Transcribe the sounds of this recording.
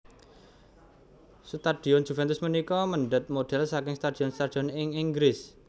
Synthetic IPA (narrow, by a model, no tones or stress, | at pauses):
sut̪ad̪̥i̤ɔnd͡ʒ̥ufɛnt̪ʊsmənikɔməɳɖət̪̚moɖ̥ɛlsakɪŋst̪ad̥iɔnst̪ad̥̪iɔnɪŋiŋɡɾɪs